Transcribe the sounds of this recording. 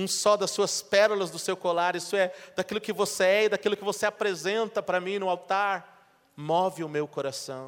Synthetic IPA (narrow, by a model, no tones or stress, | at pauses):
ũsɔd̪ɐsːuɐspɛɾʊlɐzd̪ʊsewkolaɾisʊɛd̪akilʊkɪvoseɛid̪akilʊkɪvoseapɾezẽnt̪ɐpɾɐmĩnʊawt̪aɾ | mɔvɪʊmewkoɾasɐ̃w̃